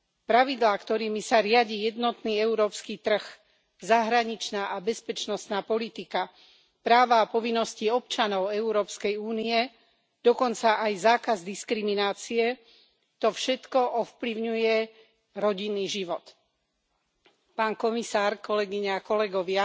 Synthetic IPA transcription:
pɾaʋid̪laːkt̪ɔɾiːmisaɾɪaɟiːjɛd̪nɔt̪niːɛuɾɔːpskiːt̪r̩ɣ | zaɦɾaɲit͡ʃnaːʔabɛspɛt͡ʃnɔst̪naːpɔlit̪ika | pɾaːʋaːpɔʋinːɔsciɔpt͡ʃanɔʊɛuɾɔːpskɛjuːniɛ | d̪̥ɔkɔnt͡saʔajzaːkazd̪iskɾiminaːt͡siɛ | t̪ɔfʃɛt̪kɔʔɔfpliʊɲujɛ | ɾɔɟinːiːʒiʋɔt̪ | paːnkɔmisaːɾkɔlɛɡiɲakɔlɛɡɔʋɪa

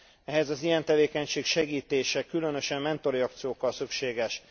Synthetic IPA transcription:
ɛɦɛzɒzijɛnt̪ɛveːkɛɲʃeːkʃɛɡiːt̪eːʃɛkylø̞nø̞ʃɛmmɛnt̪o̞ɾiɒk̚t̪sijoːkːɒlsykʃeːɡɛʃ

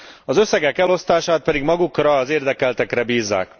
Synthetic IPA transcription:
ɒzø̞sːɛɡɛkɛlo̞st̪aːʃaːt̪̚pɛd̪iɡmɒɡukrɒːzeːrd̪ɛkɛlt̪ɛkrɛbiːzːa̰ːk

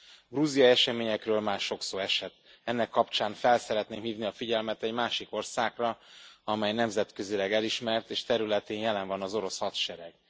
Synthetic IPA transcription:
ɡruzijɒɛʃɛmeːɲɛkrøːlmaːʃo̞ksoːɛʃɛt̪ | ɛnːɛkːɒpt͡ʃaːnfɛlsɛɾɛt̪neːmhiːvniɒfiɟɛlmɛt̪ɛɟmaːʃiko̞rsaːɡrɒɒmɛjnɛmzɛt̪køzilɛɡɛliʃmɛrt̪eːʃt̪ɛɾylɛt̪eːnjɛlɛɱvɒnɒzo̞ɾo̞shɒt̪ʃɛɾɛɡ̥

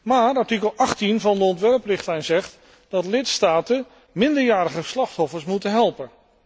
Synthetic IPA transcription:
maːɹɑɹtikəlˠʔɑχtinvɑndəɔntʋɛɹprɪχtlɛjnzɛχt | d̥ɑtlɪtstaːtən | mɪndəɹjaːɾəχəslɑχtɔfəɹsmutənɦɛlˠpən

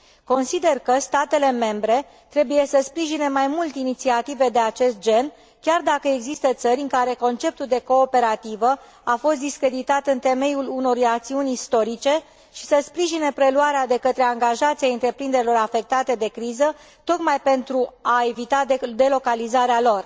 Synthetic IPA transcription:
ko̞nsid̪e̞rkəst̪at̪e̞le̞me̞mbɾe̞ | t̪ɾe̞buje̞səspɾiʒine̞majmult̪init̪siat̪ive̞d̪e̞at͡ʃe̞st̪̚d͡ʒe̞n | kʲard̪akəeɡzist̪ət̪səɾʲɨŋkaɾe̞ko̞nt͡ʃe̞p̚t̪uld̪e̞ko̞ːpe̞ɾat̪ivə | afo̞st̪̚d̪iskɾe̞d̪it̪at̪ɨnt̪e̞me̞juluno̞ɾujakt̪siunʲist̪o̞ɾit͡ʃe̞ | ʃi̥səspɾiʒine̞pɾe̞luaɾead̪e̞kət̪ɾe̞aŋɡaʒat̪siaɨnt̪ɾe̞pɾind̪e̞ɾilo̞ɾafe̞k̚t̪at̪e̞d̪e̞kɾizə | t̪o̞kmajpe̞nt̪ɾuae̞vit̪ad̪e̞lo̞kalizaɾealo̞r

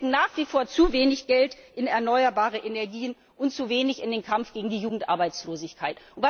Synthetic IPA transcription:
ŋ̩naːχv̥iːfoːɐt͡suveːnɪçɡ̥ɛltʔɪnɛɐnɔʏɐbaːʁəʔenɛɐɡiːən | ʔʊntt͡suːveːnɪçɪndeːnkʰamfɡ̥eːɡŋ̩diːjuːɡŋ̩tʔa̰ɐbaɪt͡sloːzɪçkʰaɪtʔʊntv̥a

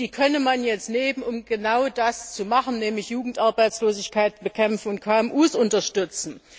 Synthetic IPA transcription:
iːkʰœnəmanjɛt͡stneːmənʊmɡ̥ənaʊdast͡sumaχn̩nɛːmlɪçjuːɡŋ̩tʔaɐbaɪt͡sloːzɪçkʰaɪtb̥əkʰɛmfn̩ʊntkʰaːɛmʔuːsʊntɐʃtʏt͡sn̩

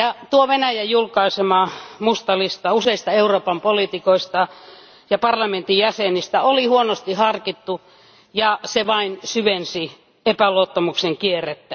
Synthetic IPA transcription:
jɑt̪uoʋenæjæjjulkɑisemɑmust̪ɑlist̪ɑuseist̪ɑeuroːpɑmpolit̪ikoist̪ɑ | jɑpɑrlɑment̪ijjæsenist̪æolihuonost̪ihɑrkit̪ːu | jɑseʋɑinsyʋensi | epæloot̪ːɑmukseŋkierːet̪ːæ

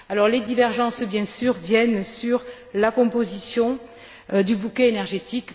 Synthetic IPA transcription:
alɔʁled̪ivɛʁʒɑ̃sbjɛ̃syʁvjɛnsyʁ | lakɔ̃pozisjɔ̃ | d̪ybukɛenɛʁʒet̪ik

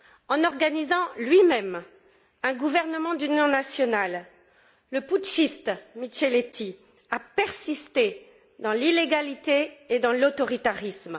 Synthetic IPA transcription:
ɑ̃nɔʁɡanizɑ̃lɥimɛm | ɛ̃ɡuvɛʁnəmɑ̃d̪ynjɔ̃nasjɔnalː | əputʃist̪mit͡ʃɛlet̪ʰi | apɛʁsist̪e | d̪ɑ̃lileɡalit̪eed̪ɑ̃lot̪ɔʁit̪aʁism

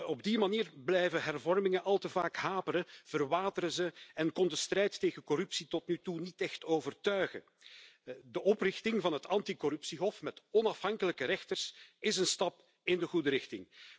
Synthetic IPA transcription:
ɔb̚dimaniːrblɛjvəɦɛrvɔrmɪŋəʔɑlˠtəvaːkɦaːpəɾəv̥ərʋaːdəɾəzəɛnkɔndəstrɛjtːeːɣəkɔrɵpsitɔtnytunitɛxtoːvərtœɥɣə̰ | dəʔɔprɪxtɪŋvɑnɦətɑntikɔɾɵpsiɦɔfmɛtɔnɑfɦɑŋkələkəɾɛxtərsɪsənstɑp | ɪndəɣudəɾɪxtɪ̰ŋ

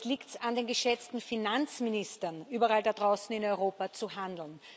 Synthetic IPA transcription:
liːktsandeːnɡəʃɛt͡stn̩finant͡smɪnɪstɐnʔyːbɐʁaːldad̥ʁaʊsn̩ɪnɔʏʁoːpat͡suɦandl̩n

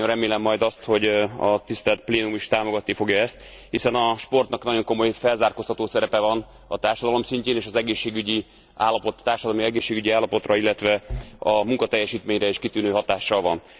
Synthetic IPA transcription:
orɛmeːlɛmːɒjd̪ɒst̪ho̞ɟɒt̪ist̪ɛlt̪̚pleːnumiʃt̪aːmo̞ɡɒt̪nifo̞ɡjɒɛst̪ | hisɛnɒʃpo̞rt̪nɒknɒɟo̞ŋko̞mo̞jfɛlzaːrko̞st̪ɒt̪oːsɛɾɛpɛvɒn | ɒt̪aːrʃɒd̪ɒlo̞msiɲceːneːʃɒzɛɡeːʃːeːɡyɟi | a̰ːlːɒpo̞t̪t̪ːaːrʃɒd̪ɒlomiɛɡeːʃːeːɡyɟiaːlːɒpo̞t̪rɒilːɛt̪ʋɛɒmuŋkɒt̪ɛjːɛʃiːt̪meːɲrɛeːʃkit̪yːnøːɦɒt̪aːʃːɒlvɒn

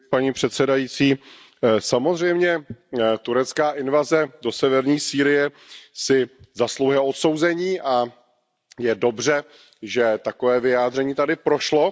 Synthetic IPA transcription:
paɲiːpr̝̥ɛt̪sɛdajiːt͡siː | samozr̝ɛjmɲɛt̪uɾɛtt͡skaːʔɪnvazɛdo̞sɛvɛɾɲiːsiːɾɪjɛ | sɪzaslowjɛʔot̪so̞wzɛɲiːʔa | jɛdo̞br̝ɛ | ʒɛt̪akovɛːvɪjaːd̪r̝ɛɲiːt̪adɪpɾo̞ʃlo̞

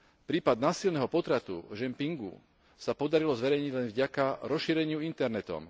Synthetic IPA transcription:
pɾiːpad̪̚naːsilnɛɦɔpɔt̪ɾat̪ṵʒɛmpiŋɡṵ | sapɔd̪aɾilɔzʋɛɾɛjɲiɟlɛnvɟakaɾɔsʃiːɾɛɲɪuint̪ɛɾnɛt̪ɔ̰m

